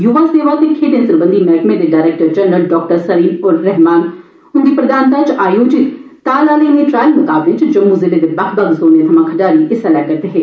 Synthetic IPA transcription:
jʊʋaːseːʋat̪ekʰeːɖẽnsɾəbə̃nd̪imɛːkmẽd̪eɖaːɾeːk̚ʈəɾd͡ʒɛnɾəlɖɔːk̚ʈəɾsəɾiːnoɾɾɛɦmaːn | ʊnd̪iːpɾəd̪aːnt̪aːt͡ʃaːjoːd͡ʒɪt̪ | t̪ːaːlaːleneʈɾaːɪlmʊkaːbʋɪt͡ʃd͡ʒɐmːuzɪled̪ebɐkʰbɐɡsoːnet̪ʰɐmãkʰɐɖaːɾiʔɪsɛlɛːkːɐɾt̪eɦɛː

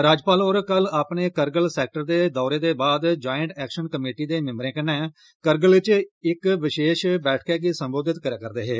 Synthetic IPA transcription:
ɾaːd͡ʒpaːloːɾkəlaːpɳeːkəɾɡəlsɛːk̚ʈəɾd̪eːd̪ɔːɾeːd̪eːbaːd̪d͡ʒaːjəɳʈɛːkʃənkəmeːʈiːd̪eːmɪ̃mbɾẽːkənːɛ̃ː | kəɾɡəlʋɪt͡ʃɪkʋɪʃeːʃbɛːʈʰkɛːɡiːsəmboːd̪ɪt̪kəɾeːkəɾd̪eːɦeː

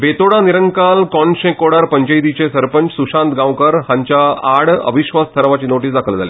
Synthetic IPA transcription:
bet̪oɽaniɾəŋɡkalkɔɳɕẽkoɽaɾpəɲt͡ɕəjd̪it͡ɕesəɾpəɲt͡ɕsuɕãnt̪ɡãwkəɾɦãɲt͡ɕjaaɽə̰ʋiɕʋast̪ʰəɾʋat͡ɕiːnoʈiːsd̪akʰəld͡zʱale

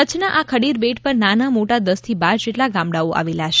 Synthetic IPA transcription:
ət͡ʃʰnaʔakʰəɽiɾbeʈpəɾnanamoʈad̪əst̪ʰibaɾd͡ʒeʈlaɡãmɽaoʔa̰ʋilaʃ

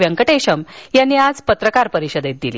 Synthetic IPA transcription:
ʋjəŋkəʈeɕəmjanːiːad͡zpət̪ɾəkaɾpəɾiɕəd̪et̪̚d̪ilḭː

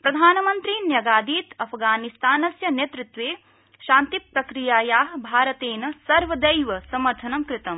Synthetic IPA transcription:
pɾɐd̪ʱaːnɐmɐnt̪ɾinjɐɡaːd̪iːt̪ɐpʰɡaːnist̪aːnɐsjɐneːt̪ɾut̪ʋeː | ʃaːnt̪ipɾɐkɾijaːjaːɦbʱaːɾɐt̪eːnɐsɐɾʋɐd̪ɐjʋɐsɐmɐɾt̪ʰɐnɐmkɾɪt̪ɐm

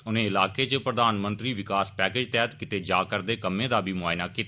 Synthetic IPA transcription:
ʊnẽːɪlaːkeːt͡ʃəpɾəd̪aːnmə̃nt̪ɾiːʋɪkaːspɛːkeːd͡ʒt̪ɛːt̪kɪt̪eːd͡ʒaːkəɾd̪eːkəmːẽːd̪aːbʱiːmʊaːjnaːkit̪ː

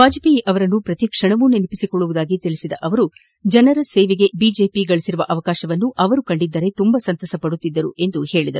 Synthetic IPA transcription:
baːd͡ʒɐpiʔɐʋɐɾɐnːupɾɐt̪ikʂɐɳɐʋuninipisikoɭːuʋud̪aːɡit̪ilisid̪ɐʔɐʋɐɾu | d͡ʒɐnɐɾɐsɛːʋeɡe̞biːd͡ʒe̞ːpiɡɐɭisiɾuʋɐʔɐʋɐkaːʃɐʋɐnːuʔɐʋɐɾukɐɳɖid̪ːɐɾe̞t̪umbɐsɐnt̪ɐsɐpɐɽut̪ːid̪ːɐɾuʔe̞nd̪uhe̞ːɭid̪ɐɾu

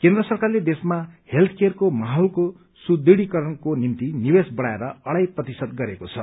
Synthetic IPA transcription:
kend̪rʌsʌrkarled̪esmahelt̪ʰkerkomaɦolko | sud̪iɽikʌɾʌnkonimt̪inibesbʌɽaeɾʌʌɽajprʌt̪isʌd̪̚ɡʌɾekot͡sʰʌ̰

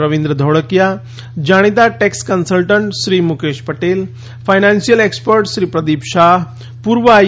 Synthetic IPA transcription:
ɾəʋĩnd̪ɾəd̪ʱoɽəkja | d͡ʒaɽ̃it̪aʈekskənsəlʈəɳʈʃɾiːmukeːʃpəʈeːl | fʰajnãnsijəlekspəɾʈʃɾiːpɾəd̪iːpʃaːɦ | puːɾʋəa

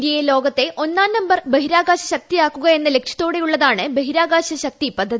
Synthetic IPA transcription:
d̪jɐjelo̞ːɡɐt̪ːe̞ʔo̞nːaːnnɐmbɐrbeɦiɾaːɡaːɕɐɕɐk̚t̪ijaːkːuɣɐe̞nːɐle̞kʂɐ̥t̪ːo̞ːɽe̞juɭːɐðaːɳɨbeɦiɾaːɡaːɕɐɕɐk̚t̪ipɐd̪ʱːɐðii

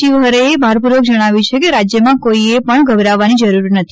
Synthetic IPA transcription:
iʋɦəɾeebʱaɾpuɾʋəɡ̚d͡ʒəɽ̃aʋjũt͡ʃʰekeɾad͡ʒjəmãkoiepəɳɡʱəbɾaʋːanid͡ʒəɾuɾnət̪ʰi

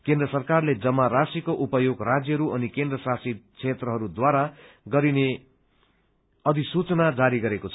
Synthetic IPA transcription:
kẽnd̪rʌsʌrkarled͡zʌmːaɾasikoʔupʌjoɡrad͡zjʌɦʌɾuʔʌnikend̪rʌsasikt͡sʰet̪rʌɦʌɾud̪waɾa | ɡʌɾine | ʌd̪isut͡sʌnad͡zaɾiɡʌɾekot͡sʰ

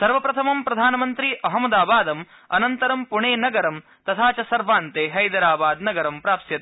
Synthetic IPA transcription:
sɐɾʋɐpɾɐt̪ʰɐmɐmpɾɐd̪ʱaːnɐmɐnt̪ɾiʔɐɦɐmɐd̪aːbaːd̪ɐm | ɐ̰nɐnt̪ɐɾɐmpuɳeːnɐɡɐɾɐm | t̪ɐt̪ʰaːt͡ʃɐsɐɾʋaːnt̪eːɦɐjd̪ɐɾaːbaːd̪nɐɡɐɾɐmpɾaːpsjɐt̪ː

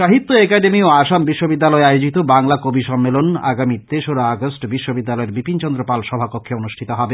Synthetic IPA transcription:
ʃaɦit̪ːoekaɖemioaʃambiʃːobid̪ːalɔeajod͡ʑit̪obaŋlakobiʃɔmːelona̰ɡamit̪eʃoɾaaɡosʈbiʃːobid̪ːalɔeɾbipint͡ɕɔnd̪ɾopalʃɔbʱapokʰːeonuʃʈʰit̪oɦɔbe

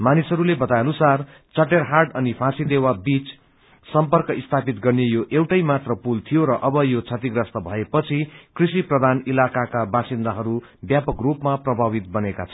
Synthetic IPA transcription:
manisɦʌɾulebʌt̪ajʌnusar | t͡sʌʈ̬erɦarʈʌnipʰasid̪ewabit͡s | sʌmpʌrkʌist̪ʰapit̪ɡʌrnejoʔewʈʌjmat̪rʌpult̪ʰijoɾʌʔʌbʌjot͡sʰʌt̪iɡrʌst̪ʌbʱʌepʌt͡sʰikrisiprʌd̪ʱanilakakabasind̪aɦʌɾu | bjapʌkrupmaprʌbʱaβit̪̚bʌneka̰t͡sʰʌ̥

